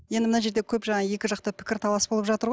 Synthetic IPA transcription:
je̞nd̪ɪmənɑʒe̞ɾd̪ekʲʰɵpʒɑɴɑje̞kʲɪʒɑq̚t̪əpʰɪ̥kʲɪɾt̪ʰɑlˠɑsbolˠəpʒɑt̪əɾʁoj

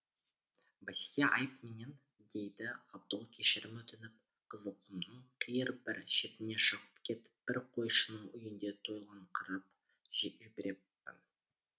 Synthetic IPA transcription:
bæsʲeʔɑ̰jpme̞ne̞n | d̪e̞jd̪ɪɑb̚d̪ʊlˠkʲʰeʃɪɾɪmɵt̪ɪnɪp̚ | qʰəzəqumnəɴqʰijɪɾbɪɾʃe̞t̪ɪne̞ʃəʁəp̚kʲʰe̞t̪b̥ɪɾqʰo̞jʃənəɴʏjɪnd̪e̞t̪ʰo̞jlˠʁɑɴqʰɑɾɑp | ʒɪbɪɾe̞pːɪ̰n

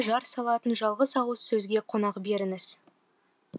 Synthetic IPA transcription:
ʒɑɾsɑlˠɑt̪ənʒɑlˠʁəsɑwəsɵzɡʲe̞qʰo̞nɑqbe̞ɾɪŋɪz̥

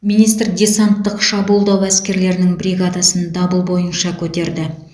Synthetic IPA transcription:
mijnijst̪rd̪ʲe̞sant̪ːəqʃɑbulˠd̪ɑwæskʲe̞ɾle̞ɾɪnɪŋbɾʲiɡad̪ɑsənd̪ɑbəlˠbo̞jənʃɑkʲʰɵt̪e̞ɾd̪ɪ

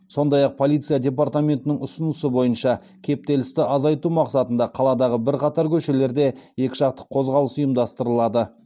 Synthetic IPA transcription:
so̞nd̪ɑjɑq̚pʰo̞lˠijt̪sɨjadʲe̞p̬art̪amʲe̞nt̪ɪnɪŋʊsənəsəbo̞jənʃɑ | kʲʰe̞p̚t̪e̞lɪst̪ɪʔɑzɑjt̪umɑqsɑt̪ənd̪ɑqʰɑlˠɑd̪ɑʁəbɪɾqʰɑt̪ɑɾkʲʰɵʃe̞le̞ɾd̪e̞je̞kʲɪ̥ʒɑq̚t̪ə̥qʰːo̞zʁɑlˠəsʊjəmd̪ɑst̪əɾəlˠɑd̪ə

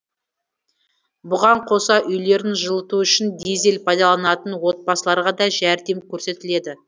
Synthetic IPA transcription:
bʊʁɑɴqʰo̞sɑʔʏjle̞ɾɪnʒəlˠət̪uʏʃɪnd̪e̞ze̞lpʰɑjd̪ɑlˠɑnɑt̪ənwo̞t̪̚bɑsəlˠɑɾʁɑd̪ɑʒæɾd̪e̞mkʲʰɵɾse̞t̪ɪle̞d̪ɪ

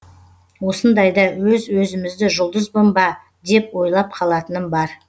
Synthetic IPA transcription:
wo̞sənd̪ɑjd̪ɑwɵzwɵzɪmɪzd̪ɪʒʊlˠd̪əzbʊmbɑ | d̪e̞pwo̞jlˠɑp̚qʰɑlˠɑt̪ənənbɑɾ

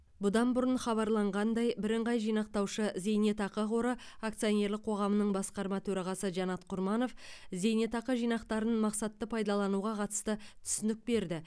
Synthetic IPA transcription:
bʊd̪ɑnbʊɾənχɑβɑɾlˠɑɴʁɑnd̪ɑjbɪɾɪɴʁɑjʒijnɑq̚t̪ɑwʃəze̞jne̞t̪ɑqəʁoɾəakt̪sijone̞ɾlɪk̚qʰo̞ʁɑmənəɴbɑsqɑɾmɑt̪ʰɵɾɑʁɑsəʒɑnɑt̪qʰʊɾmɑno̞fze̞jnet̪ɑqəʒijnɑqt̪ɑɾənmɑqsɑt̪ːəpʰɑjd̪ɑlˠɑnuʁɑqʰɑt̪ə̥st̪ət̪ʰʏ̥sɪnɪk̚be̞ɾd̪ɪ

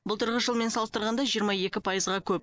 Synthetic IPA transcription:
bʊlˠt̪ʰəɾʁəʒəlˠme̞nsɑlˠst̪əɾʁɑnd̪ɑʒijəɾmɑje̞kʲɪpʰɑjəzʁɑkʲʰɵp̚

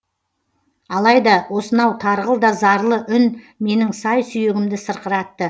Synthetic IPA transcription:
ɑlˠɑjd̪ɑwo̞sənɑwt̪ʰɑɾʁəlˠd̪ɑzɑɾlˠəʔʏn | me̞nɪŋsɑjsʏjeɡʲɪmd̪ɪsəɾqəɾɑt̪ːə

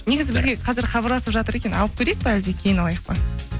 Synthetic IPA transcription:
ne̞ɡʲɪzɪbɪzɡʲe̞qʰɑzɪɾχɑbɑɾlˠɑsəpʒɑt̪əɾe̞kʲe̞nɑlˠəp̚kʲʰe̞ɾejk̚pɪæld̪ekʲʰe̞jɪnɑlˠɑjəq̚pə

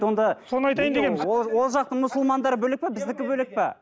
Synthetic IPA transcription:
wo̞nd̪ɑso̞nəɑjt̪ɑjnd̪ekʲenmɪzowo̞lˠʒɑq̚t̪əɴmʊsʊlˠmɑnd̪ɑɾəbɵlek̚pebɪzd̪ɪkʲɪbɵlek̚pe

